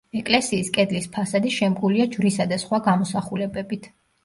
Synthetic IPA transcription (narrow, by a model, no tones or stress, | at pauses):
ɛkʼlɛsiːskʼɛd̪lispʰasad̪iʃɛmɡʼuliad͡ʒvɾisad̪asχwaɡamɔsaχulɛbɛbit̪ʰ